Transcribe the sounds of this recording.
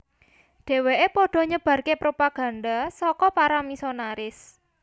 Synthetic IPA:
ɖ̥e̤weʔepɔɖ̥ɔ̤ɲəb̥ä̤rkepɾopaɡ̥ä̤nd̪asɔkɔpaɾamisonaɾɪs

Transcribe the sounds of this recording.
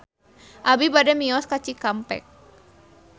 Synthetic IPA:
ʔabibadɛmiɔskat͡ʃikampɛ̰k̚

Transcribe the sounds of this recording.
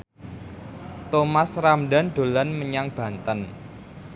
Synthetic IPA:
t̪omasramɖa̤nɖ̪̥o̤lanməɲaŋb̥ä̤nt̪ən

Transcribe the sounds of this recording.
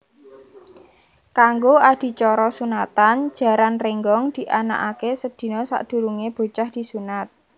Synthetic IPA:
kaŋɡoad̪̥i̤t͡ʃɔɾɔsunat̪an̥d͡ʒ̥a̤ɾanreŋɡɔŋd̪̥i̤ʔana̰ʔakesəd̪̥i̤nɔsa̰ʔd̪̥ṳɾuŋeb̥o̤t͡ʃahd̪̥i̤sunat̪̚

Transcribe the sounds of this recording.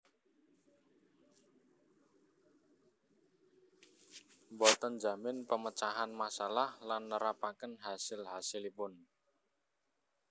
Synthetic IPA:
mbɔt̪ənd͡ʒamɪnpəmət͡ʃaɦanmasalahlanːəɾapakənɦasɪlɦasɪlipʊn

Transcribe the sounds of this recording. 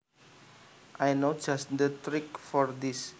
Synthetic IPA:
ʔajnod͡ʒast̚d̪ət̪ɾikfɔrd̪is

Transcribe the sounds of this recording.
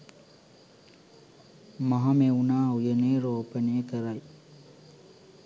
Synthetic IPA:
maɦɐmeunaːujeneːɾoːpəneːkəɾaj

